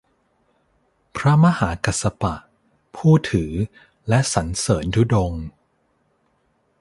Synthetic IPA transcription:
pʰɾa˦˥ma˦˥haː˩˦ka˨˩sa˧pa˨˩ʔ | pʰuː˥˩t̪ʰɯː˩˦ | lɛ˦˥ʔsa˩˦nsɤː˩˦ndu˦˥do˧ŋ

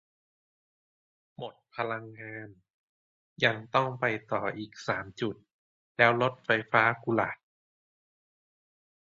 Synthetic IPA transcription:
mo˨˩t̪̚pʰa˧la˧ŋːaː˧n | ja˧ŋt̪ɔ˥˩ŋpa˧jt̪ɔː˨˩ʔiː˨˩k̚saː˩˦mt͡ɕu˨˩t̪̚ | lɛː˦˥wlo˦˥t̪̚fa˧jfaː˦˥ku˧la̰˨˩

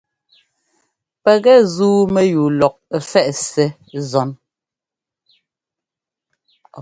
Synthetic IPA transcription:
pɛ˨ɣɛ˦˨zuː˦mɛ˦juː˨lɔ˨k̚fɛ˦ʔsɛ˨˦ | zɔ˨˦n

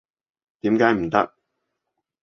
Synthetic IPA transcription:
t̪iː˨˥mkaː˨˧˥jm̩˨˩t̪ɐ̰˥k̚

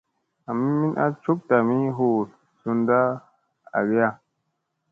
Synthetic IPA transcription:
a˨mi˦mi˦nʔa̰˦t͡ʃu˦k̚ta˨mĩ˦ɦo˦˨ | su˧nda˦ | a̰˨ɡe˦ja˦

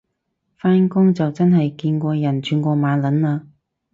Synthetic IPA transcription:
faː˥nkʊ˥ŋt͡sɐ˨wt͡sɐ˥nɦɐ˨jkiː˧nkʷɔː˧jɐ˨˩nt͡ʃʰyː˨˧nkʷɔː˧maː˨˧nlɐ˨˥nlaː˧

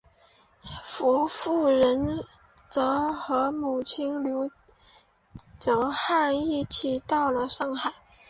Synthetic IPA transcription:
fu˧˥fu˥˩ɻə˧˥n | t͡sɤ˧˥xɤ˧˥mu˨˩t͡ɕʰi˥nljo˧˥ʊ | t͡so˧˥ʊxa˥˧ni˥˩t͡ɕʰi˨˩t̪ɑ˥˩ʊlə˩ʂɑ˥˧ŋxa˥˩ɪ

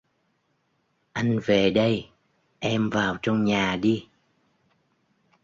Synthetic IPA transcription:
ʔa˧jŋ̟ve˨˩ɗə˧j | ʔɛ˧mvaː˨˩wt͡ɕɔ˧wŋ͡mɲaː˨˩ɗi˧

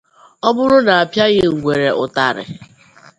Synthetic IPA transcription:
ɔ˦bʊ˦ɾʊ˦na˨a˨pja˦ɣɪ˦ŋ̩˨ɡʷe˨ɾe˨ʔʊ˨ta˨ɾɪ̰˨

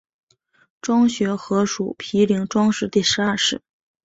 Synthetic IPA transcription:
ʈ͡ʂwɑ˥ŋɕɥɛ˧˥xɤ˧˥ʂṵ˨˩˦pʰi˧˥li˧˥ŋʈ͡ʂwɑ˥ŋʂɻ̩˥˧t̪i˥˩ʂɻ̩˧˥a˞˥˧˩ʂɻ̩˥˩˦

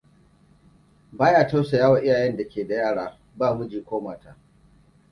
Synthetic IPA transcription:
baː˦jaː˨ta˦wsa˨jaː˦wa˨ʔɪ˦jaː˨jɛ˦nda˨kʲeː˨da˨jaː˦˨ɽaː˦ | baː˦˨mʊ˦d͡ʒiː˨kʷoː˦maː˨ta˨ʔ

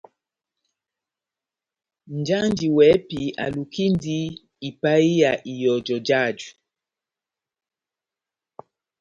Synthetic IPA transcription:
n˨d͡ʒa˦nd͡ʒi˨wɛ˨˦pi˨a̰˨lu˨ki˦ndi˦ | i˨pa˦i˦ja˨ʔi˨jɔ˨d͡ʒɔ˨d͡ʒa˦˨d͡ʒu˨

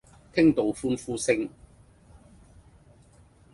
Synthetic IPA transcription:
t̪ʰɪ˥ŋt̪o˨wfuː˥nfuː˥sɪ˧ŋ

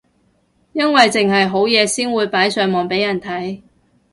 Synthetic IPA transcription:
jɐ˥nwɐ˨jt͡sɪ˨ŋɦɐ˨jɦo˨˥wjɛː˨˧siː˥nwuː˨˧jpaː˨˥jsœː˨˧ŋmɔː˨ŋpe˨˥jɐ˨˩nt̪ʰɐ˨˥j

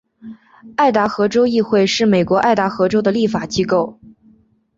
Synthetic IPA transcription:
a˥˩ɪt̪a˧˥xɤ˧˥ʈ͡ʂo˥ʊi˥˧xwe˥˧ɪʂɻ̩˥˩me˨˩ɪkwɔ˧˥ʔa˥˩ɪt̪a˧˥xɤ˧˥ʈ͡ʂo˥d̪ə˨li˥˩fa˨˩t͡ɕi˥ko˥˩ʊ

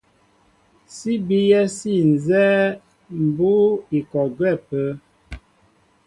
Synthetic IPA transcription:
si˦bi˦jɛ˦si˦˨n˨zɛ˦ | m̩˨bu˦i˨kɔ˨ɡwɛ˦˨pə˦

